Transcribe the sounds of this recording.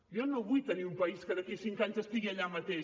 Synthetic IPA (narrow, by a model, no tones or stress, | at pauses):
ʒɔnoβujt̪əniumpəiskəðəkisiŋkaɲzəst̪iɣiəʎamət̪e